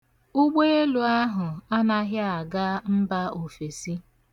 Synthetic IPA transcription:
u˦ɡ͡be˦e˦lu˨a˦ɦʊ˨a˦na˦ɦja˦a˨ɡa˦m̩˦ba˦o˨fe˨si˦

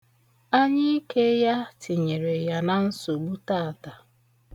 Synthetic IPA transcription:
a˦ɲɪ˦ke˦ja˦tʰi˨ɲe˨ɾe˨ja˦na˦n̩˦so˨ɡ͡bu˦ta˦a˨ta˨

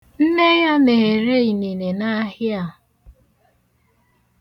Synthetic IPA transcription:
n̩˦ne˦ja˦me˨ɦe˨ɾe˦i˨ne˨ne˨na˦ɦja˦˨

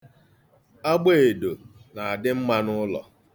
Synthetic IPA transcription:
a˦ɡ͡be˦˨e˨do˨na˨a˨dɪ˦m̩˦ma˦nʊ˦lɔ̰˨

